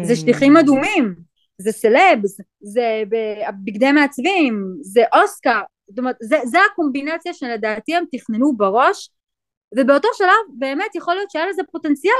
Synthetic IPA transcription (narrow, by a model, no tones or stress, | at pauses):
zeʃliχimad̪umim | zeselebz | zebeabiɡd̪emeat͡svimzeʔo̞skaʁzot̪omeet̪zezeako̞mbinat͡sjaʃeled̪aːt̪iemt̪iχnenubeʁo̞ʃ | ve̞beo̞to̞ʃalavbe̞ːme̞t̪jeχo̞lijo̞t̪t͡ʃejelezepo̞te̞nt͡sija